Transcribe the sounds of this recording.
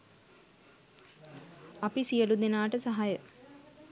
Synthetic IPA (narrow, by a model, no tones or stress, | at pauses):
ɐpisijəlud̪enaːʈəsɐɦajə